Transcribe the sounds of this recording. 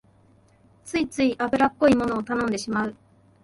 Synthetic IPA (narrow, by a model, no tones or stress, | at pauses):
t͡sɨit͡sɨiʔabɯ̟ɾapːo̞imo̞no̞ːt̪anõ̞nd̪e̞ɕimaɯ̟